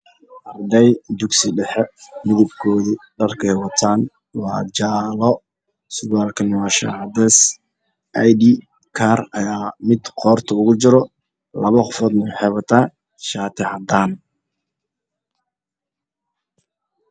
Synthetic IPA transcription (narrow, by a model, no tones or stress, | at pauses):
ʔɐrd̪ɛjd̪ʊɡsɪɖɛħɛmɪðɪb̚kʰɔːðiɖɐrkʰɛjwɑt̪ʰaːn | wɑːd͡ʒaːlɔ | sʊwaːlkʰɐnɐwɑːʃa̰ʕd̪ɛs | ʔɐjd̪i | kʰaːrɐjaːmɪd̪qɔːrt̪ʰɔʊɣʊt͡ʃɪɾɔ | lɐβɐqɔfɔːd̪nɐwħɛβɐt̪ʰaː | ʃaːt̪ʰɪʕɑd̪aːn